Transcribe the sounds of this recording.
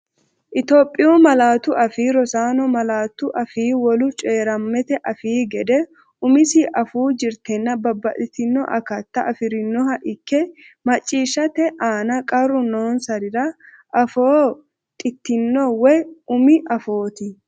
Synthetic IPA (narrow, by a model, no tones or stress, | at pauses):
ʔɪt̪oːpʼːɪjuːmɐlaːt̪ʊʔɐfiːɾɔsaːnɔmɐlaːt̪ːʊʔɐfiːwɔlʊt͡ʃʼeːɾɐmːɛt̪ɛʔɐfiːɡɛd̪ɛ | ʊmɪsiʔɐfuːd͡ʒɪɾt̪ɛnːɐbɐbːɐʔɪt̪ɪnːɔ̰ʔɐ̰kɐt̪ːɐʔɐfɪɾɪnːɔɦɐʔɪkːɛmɐt͡ʃʼːiːʃːɐt̪ɛʔaːnɐkʼɐrːʊno̞ːnsɐɾɪɾɐ | ʔɐfoː | t̪ʼɪt̪ːɪnːɔwɛʊmɪʔɐfo̞ːt̪ɪ